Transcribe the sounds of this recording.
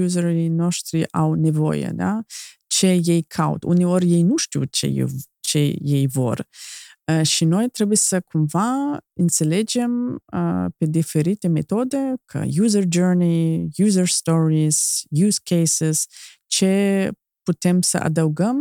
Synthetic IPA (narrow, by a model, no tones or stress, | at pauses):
uzəɾinɔʃt̪ɾiʔa̰wnɛvɔ̰jə̰d̪a̰ | t͡ʃəjɛjkʰawt̪ṵniɔɾjɛjnuʃt̪ṵt͡ʃɛ̰j̰ | t͡ʃɛjɛjvɔ̰ɾ | ʃinɔjt̪ɾɛbisəkʰunvainsɛlɛd͡ʒɛm | pɛd̪ifɛɾit̪ɛmɛt̪ɔd̪ɛkʰə̰juzəɾd͡ʒɛɾnijuzəɾst̪ɔɾiz̥juzkɛjsɛz | t͡ʃə | put̪ɛmsə̰ʔa̰d̪awɡəm